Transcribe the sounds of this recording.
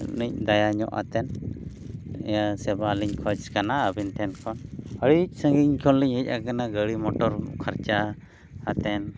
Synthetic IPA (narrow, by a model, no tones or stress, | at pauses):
nic̚d̪ajaɲɔ̰ʔa̰t̪ɛn | ɛ̰jasɛbaliɲkʰɔt͡ʃkanaəbinʈʰɛnkʰɔnəɽic̚səŋɡiɲkʰɔnliɲəc̚ʔakanaɡəɽimɔʈɔɾkʰaɾt͡ʃa | hat̪ɛn